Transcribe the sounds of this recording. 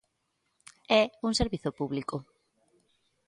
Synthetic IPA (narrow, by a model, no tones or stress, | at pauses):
ɛuŋseɾβiθopuβliko